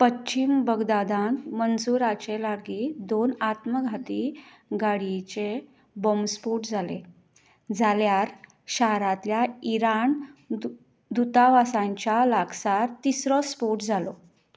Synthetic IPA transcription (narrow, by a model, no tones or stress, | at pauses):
pəɕimbəɡd̪ad̪ãnt̪mənsuɾat͡ɕelaɾɡid̪onat̪məɡʱat̪i | ɡaɽit͡ɕe | bɔmspoʈd͡zʱale | d͡zʱaljaɾ | ɕaɦɾãt̪ljaiɾan | d̪ut̪aʋasãɲt͡ɕjalaɡsaɾt̪isɾɔspoʈd͡zʱalo